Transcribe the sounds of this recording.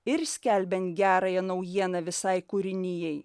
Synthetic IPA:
ɪɾsʲkʲælʲbʲɛnt̪ʲɡʲæːɾɐjɛnɐʊjiɛnɐʋʲɪsɐɪkʊɾʲɪnʲɪjɛɪ

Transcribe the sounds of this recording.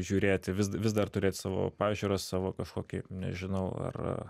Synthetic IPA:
ʒʲuːɾʲeːt̪ʲɪʋʲɪsʋʲɪs̬d̪ɐrt̪ʊɾʲeːt̪ʲsɑːʋo̰ːpɑːʒʲuːɾoːssɑːʋoːkɐʃkoːkʲɪnʲɛ̰ʒʲɪnɐʊɐ̰r̰

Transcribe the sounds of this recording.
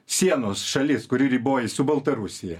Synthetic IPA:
sʲiɛnoːsʃɐlʲɪskʊɾʲɪɾʲiːboːjɪsʊbɐlˠt̪ɐɾʊsʲɪjɛ

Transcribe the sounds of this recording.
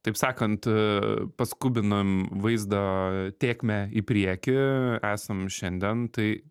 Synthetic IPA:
t̪ɐɪpsɑːkɐnt̪ | pɐskuːbʲɪnɐmʋɐɪzd̪ɐt̪ʲeːkʲmʲɛipʲɾʲiɛkʲɪæːsɐmʃʲɛnʲd̪ʲɛnt̪ɐɪ

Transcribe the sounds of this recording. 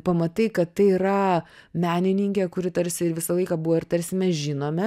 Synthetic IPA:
pɐmɐt̪ɐɪkɐt̪t̪ɐɪiɾɐmʲæːnʲɪnʲɪŋʲkʲɛkʊɾʲɪt̪ɐɾʲsʲɪɪɾʋʲɪsɐlˠɐɪkɑbuʋoːɪɾt̪ɐɾʲsʲɪmʲɛsʒʲɪnoːmʲɛ

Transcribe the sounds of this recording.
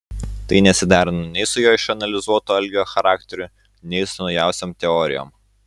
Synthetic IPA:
t̪ɐɪnʲɛsʲɪd̪ɑːɾʲɪnɐnʲɛɪsʊjoːɪʃɐnɐlʲɪzuɔt̪oːɐlʲɡʲjoːxɐɾaːkt̪ʲɛɾʲʊ | nʲɛɪsʊnɒʊjæˑʊsʲoːmt̪ʲɛɔɾʲɪjo̰ːm

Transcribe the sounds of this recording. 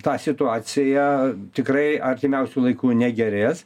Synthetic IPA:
t̪ɑːsʲɪt̪ʊɑːsʲɪjɛt̪ʲɪkrɐɪɐrʲt̪ʲɪmʲɛʊsʲuːlˠɐɪkuːnʲɛɡʲɛɾʲeːs

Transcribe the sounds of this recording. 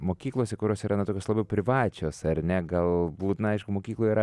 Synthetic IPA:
moːkʲiːklˠoːsʲɛkʊɾʲoːsʲiːɾɐnɐt̪oːkʲoslˠɐbʲɛʊpʲɾʲɪʋɑːt͡ʃʲoːsɐrnʲɛɡɐlˠbuːt̪nɐɪʃkʊmoːkʲiːklˠoːjiːɾɐ

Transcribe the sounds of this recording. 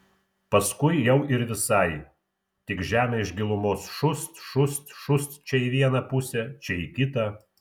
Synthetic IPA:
pɐskʊɪjɛʊɪɾʋʲɪsɐɪ | t̪ʲɪkʒʲæːmʲɛɪʃɡʲɪlˠʊmoːsʃʊst̪ʃʊst̪ʃʊst̪t͡ʃʲɛiʋʲiɛnɐpʊsʲɛt͡ʃʲɛikʲɪt̪ɐ

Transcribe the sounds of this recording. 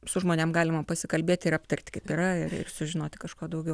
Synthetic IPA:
sʊʒmoːnʲeɛmɡɑːlʲɪmɐpɐsʲɪkɐlʲbʲeɛt̪ʲɪɾɐpt̪ɐrʲt̪ʲkɐɪpiːɾɐɪrɪ̰rsʊʒʲɪnoːt̪ʲɪkɐʃkuːd̪ɐʊɡʲɛʊ

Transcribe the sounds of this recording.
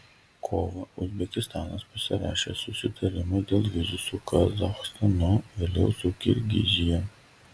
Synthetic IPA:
kʰɔʋɐʊzʲbʲɛkʲɪst̪ɑːnɐspɐsʲɪɾɑ̰ːʃʲḛsʊsʲɪt̪ʰɐɾʲɪmɐd̪ʲeːlˠʋʲɪzʊsuːkʰɐzɐxst̪ɐnɔʋʲɪlʲɛʊsuːkʲɪɾʲɡʲɪ̰zʲɪjɛ

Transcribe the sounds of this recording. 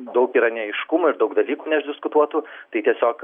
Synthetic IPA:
d̪ɐʊkiːɾɐnʲɛɐɪʃkʊmʊːɪɾd̪ɐʊkd̪ɐlʲiːkuːnʲɛʒʲd̪ʲɪskʊt̪uɔt̪uːt̪ɐɪt̪ʲiɛsʲoːk

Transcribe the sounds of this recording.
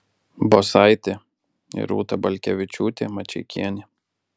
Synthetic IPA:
bosɐɪt̪ʲe | ɪ̰ɾṵːt̪ɐbɐlʲkʲɛʋʲɪt͡ʃʲuːt̪ʲemɐt͡ʃʲɛɪkʲʰiɛnʲɪ

